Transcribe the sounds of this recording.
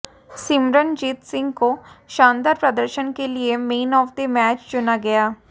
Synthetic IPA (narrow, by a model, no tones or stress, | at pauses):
sɪmɾənd͡ʒiːt̪sɪ̃ŋɡkoʃãːnd̪aːɾpɾɐd̪əɾʃənkeliemeːnɔːfd̪emɛːt͡ʃt͡ʃʊnaɡɐjaː